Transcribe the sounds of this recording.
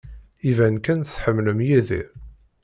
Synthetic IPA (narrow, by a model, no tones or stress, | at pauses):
ivænkænθθħəmːləmjæðḭɾ